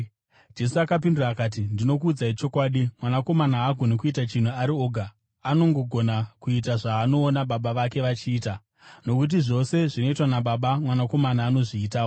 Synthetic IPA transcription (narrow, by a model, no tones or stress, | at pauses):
d͡ʒe̞suakap̬induraːkaːt̬indino̞kuːd͡zait͡ʃo̞kwaːɗimwanako̞manaaɡʱonekuitat͡ʃin̤uaɾio̞ːɡʱa | ano̞ŋɡo̞ɡʱo̞nakuit̬aʐaːno̞ːnaɓaɓaʋake̞ʋat͡ʃiːta | no̞kut̬iʐo̞se̞ʐino̞itwanaɓaɓamwanako̞manaːno̞ʐiːtaːo